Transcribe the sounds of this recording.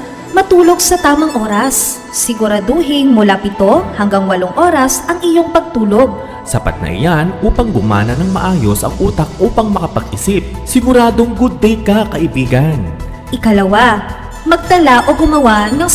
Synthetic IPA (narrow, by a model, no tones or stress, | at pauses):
mɐt̪uːlo̞ɡ̚sɐt̪aːmɐŋʔo̞ːɾɐsː | ɪɡʊɾɐd̪uːɦɪŋmʊlapɪt̪o̞hɐŋɡɐŋwɐlo̞ŋʔoːɾɐsʔɐŋɪjo̞ŋpɐɡ̚t̪uːlo̞ɡ̚ | sɐpɐ̰t̪̚nɐ̰ʔɪ̰janʔuːpɐŋɡʊma̰ːnɐnɐŋmɐʔaːjo̞sʔɐ̰ŋʔuːt̪ɐk̚ʔuːpɐŋmɐkɐpɐɡ̚ʔɪsip̚sɪɡʊɾaːd̪oŋɡʊd̪̚ːɛjkɐkɐʔɪbiːɡɐn | ʔɪkɐlɐwa | mɐɡ̚t̪ɐlaʔo̞ɡʊmɐwaʔnɐŋ